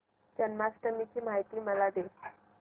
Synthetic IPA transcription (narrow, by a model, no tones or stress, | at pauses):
d͡ʑənmasʈ̪əmit͡ɕiːmaɦit̪iːməlad̪e